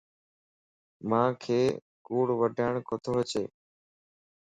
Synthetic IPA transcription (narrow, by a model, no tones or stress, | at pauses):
mãːkʰeː | kuːɽʋəɖʱaːɳ̃kʰot̪ʰoːɦət͡ʃeː